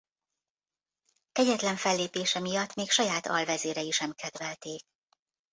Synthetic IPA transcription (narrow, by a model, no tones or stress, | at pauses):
kɛɟɛt̪lɛɱfɛlːeːpeːʃɛmijɒt̪ːmeːkʃɒjaːt̪ɒ̰lvɛzeːɾɛiʃɛmkʰɛd̪ʋɛlt̪eːk̚